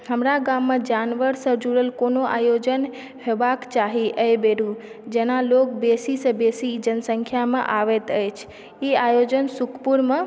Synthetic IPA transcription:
həmɾaɡamːẽd͡ʒanʋəɾsə̃d͡ʒuɽəlkonoʔa̰jod͡ʒən | ɦebakt͡ʃaɦiʔəjbeɾu | d͡ʒenalok̚besisə̃besid͡ʒənsə̃ŋkʰjamḛ̃ʔaʋet̪əjt͡ʃʰ | iajod͡ʒənsukʰpuɾmẽ

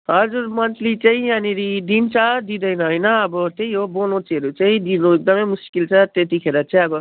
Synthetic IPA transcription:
ɦʌd͡zuɾmʌnt̪lit͡saĩaniɾid̪int͡sʰʌd̪id̪ʌjnʌɦʌjnʌʌbʌt̪ejɦobolõt͡siɦʌɾut͡saĩd̪inuek̚d̪ʌmʌjmuskilt͡sʰʌt̪et̪ikʰeɾʌt͡saĩʌbʌ

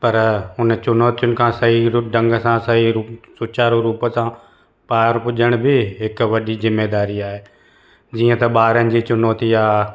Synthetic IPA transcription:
pɐɾʊnt͡ɕʊnoːt̪ijʊnɪ̆kʰãːsɐɦiɾʊɖɐ̃ŋɡəsãsɐɦiɾuːsʊt͡ɕaːɾõɾuːpəsã | paːɾpʊʄəɽ̃bɪɦɪkʋɐɗizɪmːeːd̪aːɾiaːɦeː | d͡ʑiːə̃t̪ɐɓaːɾənɪ̆d͡ʑiːt͡ɕʊnoːt̪iaː

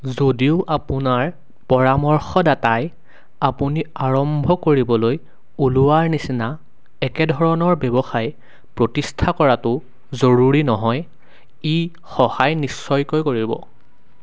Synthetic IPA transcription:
zodiʊʔapʊnaɹ | pɔɹamɔɹxɔdataj | apʊniaɹɔmbʱɔkoɹibɔloj | uluwaɹnisina | ɛkɛdʱɔɹɔnɔɹbjɛbɔxaj | pɹotistʰakɔɹatʊ | zoɹuɹinɔɦɔj | i | xɔhajnisːɔjkɔjkoɹibɔ̰

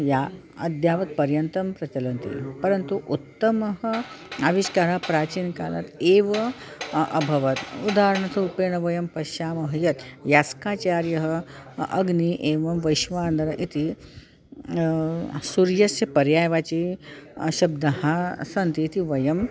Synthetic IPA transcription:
jaɐd̪jaːʋɐt̪̚pɐɾjɐnt̪ɐmpɾɐt͡ɕɐlɐnt̪ḭpɐɾɐnt̪uʔut̪ːɐmɐɦəaʋiɕkaːɾapɾaːt͡ɕiːnkaːlɐ̰t̪eːʋɐ | ɐ̰bʱɐʋɐt̪ud̪aːɾɐɳɐt̪ʰɐupeːɳɐʋɐjɐmpɐʃaːmɐɦɐjɐt̪jaskaːt͡ɕaːɾjɐɦəɐɡniʔeːʋɐmʋɐjʃʋaaːnd̪ɐɾɐʔit̪ʰi | suɾjɐsjɐpɐɾjaːjʋat͡ɕi | ɕɐb̚d̪ɐɦasɐnt̪iːt̪iʋɐjɐm

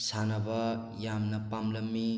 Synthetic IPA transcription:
sanɐbʌ | jamnɐpamlɐmːi

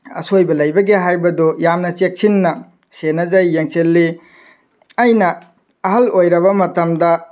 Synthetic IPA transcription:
ɐsojbɐlɐjbɐɡeɦajbɐdojamnɐt͡ʃek̚sinːɐ | senɐzajːeŋselːi | ɐjnɐː | ɦɐlojɾɐβɐmɐtɐmdɐ

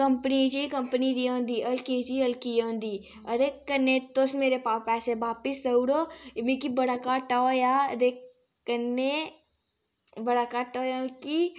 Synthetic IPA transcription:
kɐmpnid͡ʒikɐmpənid̪iõːnd̪iʔɐlkid͡ʒiɐlkijõːnd̪i | ɐɾekːɐnːet̪osmeːɾepaːpɛːsebaːpisɐwɽomikibɐɽakaʈajad̪ekː | ɐnːe | bɐɽakaʈaːjaki

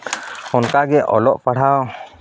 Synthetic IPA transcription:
ɔnkaɡɛʔɔlɔʔpaɽ̤aw

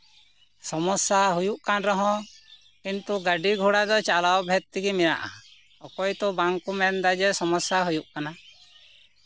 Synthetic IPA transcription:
sɔmɔsaɦujuʔkanɾɔɦɔ̃ | kint̪uɡaɖiɡʱuɽad̪ɔt͡ʃalawbʱɛt̪̚t̪iɡimina̰ʔa̰ | ɔkɔjt̪ɔbaŋkumɛnd̪ad͡ʒɛsɔmɔsjaɦujuʔkana

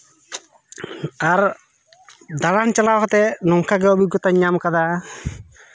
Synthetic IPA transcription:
aɾ | d̪alant͡ʃɐlawkt̪enɔŋkʰaɡəwbiɡɔt̪aɲamkad̪a

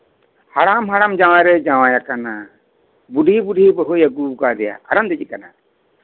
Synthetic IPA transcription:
haɽamɦaɽamd͡ʒawãɾɛd͡ʒawãjakana | buɖʱibuɖʱibəɦojəɡukad̪ɛja̰kaɾamd̪ɛd͡ʒikana

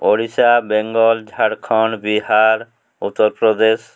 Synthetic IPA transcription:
oɽisabeŋɡɔld͡ʒʱaɽkʰɔnbiɦaɾ | ṵt̪ːoɾpɾɔd̪es

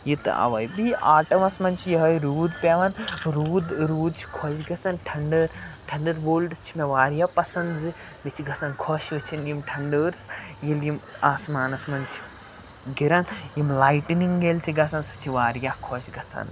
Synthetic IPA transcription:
jit̪ɨ̰ɐ̰ʋɐjbiaːʈɐmɐsmɐnt͡ʃʰijiɦɐjɾuːd̪̚pʲeʋɐnɾuːd̪ɾuːd̪t͡ʃʰi̥kʰɔʃɡɐt͡sɐnʈʰɐɳɖəɾ | ʈʰɐɳɖəɾboːlɖt͡ʃʰimeʋaːɾjaːpɐsɐnzɨ | mit͡ʃʰiɡɐsɐnkʰɔʃʋɐt͡ʃʰinjimʈʰɐɳɖəːɾs | jiljim | aːsmaːnɐsmɐnʲt͡ʃʰi̥ | ɡiɾɐn | jimlaːjʈniŋɡelʲt͡ʃʰiɡɐsɐnsɨ̥t͡ʃʰiʋaːɾjakʰɔʃɡɐt͡sʰɐ̰n

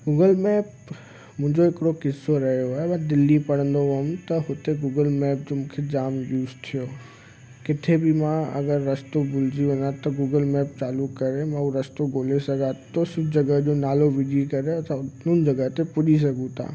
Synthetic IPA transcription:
ɡuːɡəlmɛːp | mʊ̃ɦɪ̃ɲd͡ʑoɪkɽokɪsːoɾɐɦjoeʋə̃d̪ɪlːipɐɽ̤ə̃nd̪oʋɦmt̪ɐɦʊt̪eɡuːɡəlmɛːp̚d͡ʑomʊ̃ːkʰed͡ʑaːmbjuːst̪ʰijoː | kɪt̪ʰebɪmãɐ̰ɡəɾːɐst̪obʊld͡ʑiʋɐnãt̪ɐɡuːɡəlmɛːp̚t͡ɕaːlukkːɐɾemãuɾɐst̪oɡʱoːlesɐɡat̪osʊbd͡ʑɐɡəɦd͡ʑonaːloʋid͡ʒikɐɾet̪ɐnʊnd͡ʑɐɡəɦt̪epʊɗis̬ɐɡũt̪ʰa̰ː

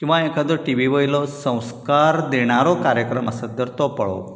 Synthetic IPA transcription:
kĩw̃ʋaekad̪oʈiʋiʋəjlɔsə̃w̃skaɾd̪eɽ̃aɾɔkaɾjəkɾəməsəd̪əɾt̪ɔpəɭɔ̰

